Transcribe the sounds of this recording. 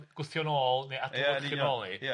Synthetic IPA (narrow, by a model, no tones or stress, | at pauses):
ɡ̥ʊθjɔnoːlˠnejadaχɪɔlˠi